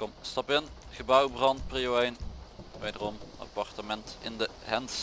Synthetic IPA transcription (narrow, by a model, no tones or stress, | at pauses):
kɔmstɑpɪnχəbœwbrɑnt̚priowɛjnʋejdərɔmɑ̰pɑrtəmɛntɪ̰ndə | ɦɛnts